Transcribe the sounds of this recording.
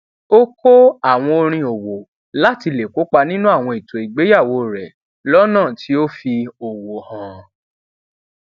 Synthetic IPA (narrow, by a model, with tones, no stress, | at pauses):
o˦kʰo˦a˦˨w̃ɔ̃˧o˧ɾ̃ĩ˧o˨wo˨ | la˦ti˧le˨ko˨˦k͡pa˧nĩ˦nũ˦a˦˨w̃ɔ̃˧i˨tʰo˨i˨ɡ͡be˨˦ja˦˨wo˧ɾɛ˨ | lɔ˦nãː˦˨tʰi˨˦o˦fi˧o˨wo˨hã˨